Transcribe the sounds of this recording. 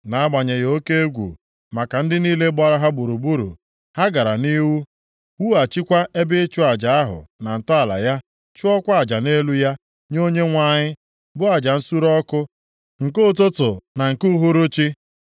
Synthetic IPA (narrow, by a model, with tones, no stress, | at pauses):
na˨˦ɡ͡ba˨ɲe˨jo˦ke˦e˦ɡʷṵ˨ | ma˨ka˨n̩˦dɪ˦niː˦le˦ɡ͡bɔ˦ɾa˦ɦa˦bu˨ɾu˨bu˦ɾṵ˨ | ha˦ɡa˨ɾa˨ni˦wu˦ | wu˦a˨t͡ʃi˦kʷa˦ʔe˦bɪ˦t͡ʃʊ˦a˨d͡ʒa˨a˦ɦʊ̰˨na˨n̩˨tɔ˦a˨la̰˨ja˦ | t͡ʃʊ˦ɔ˦kʷa˨d͡ʒa˨ne˦lu˦ja˦ | ɲo˦ɲe˦ŋʷa˦ɲɪ˦ | bʊ˦a˨d͡ʒa˨n̩˦su˦ɾɔ˦kʊ˦ | ŋ̩˨ko˦˨to˦tʊ˨na˨ŋ̩˨ku˦ɦu˦ɾʊ˦t͡ʃi˦